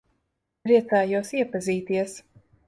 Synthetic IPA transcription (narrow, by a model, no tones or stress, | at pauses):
pɾiɛt̪saːjuɔsiɛpaziːt̪iɛs